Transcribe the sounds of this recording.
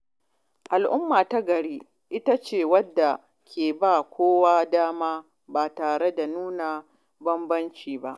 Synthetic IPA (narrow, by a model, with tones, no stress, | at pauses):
ʔa˨lʔʊ˦mːaː˨ta˦ɡɐ˨ɽiː˦ | ʔɪ˦ta˦t͡ʃeː˦˨wɐ˦dːa˨ | kʲʰeː˨baː˦˨kʷoː˦waː˦daː˦maː˦ | baː˨taː˨ɽe˦da˨nuː˦na˨ | bɐ˦mbɐ˦nt͡ʃiː˨ba˦ʔ